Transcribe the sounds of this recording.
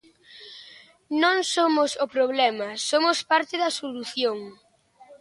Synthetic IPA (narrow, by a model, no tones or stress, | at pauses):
nõŋsomosʊpɾoβ̞lɛmɐsomospaɾt̪ɪðɐsoluθjoŋ